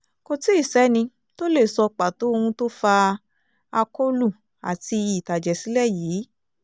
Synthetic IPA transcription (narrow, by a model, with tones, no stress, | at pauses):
ko˧ti˦i˦˨sɛ˨˦nĩ˧ | to˦le˦˨sɔ˧k͡pa˨to˨˦o˧hũ˧to˦fa˧ | a˧ko˦lu˦˨ | a̰˨ti˧i˨ta˨d͡ʒɛ˨si˨˦lɛ˦˨jiː˨˦